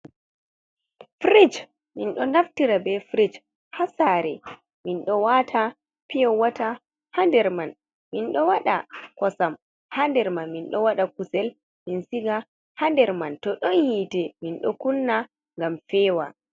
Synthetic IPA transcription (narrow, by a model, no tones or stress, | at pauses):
fɾid͡ʒ | minɗɔnaftiɾabɛfɾid͡ʒ | hasaɾɛ̰ | minɗɔwatʰa | pijɔwata | handɛɾman | minɗɔwaɗa̰kɔsam | handɛɾmanminɗɔwaɗakusɛl | minsiɡa | handɛɾmantɔɗɔnjitɛminɗɔkunːa | ŋɡamfɛːwa